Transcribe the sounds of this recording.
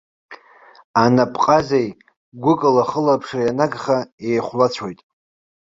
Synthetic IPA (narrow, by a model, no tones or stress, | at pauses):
anapʼqʼazej | ɡʷʊkʼɨlaχəlapʰʂajanaɡχaejχʷlat͡ɕʷʰojtʼ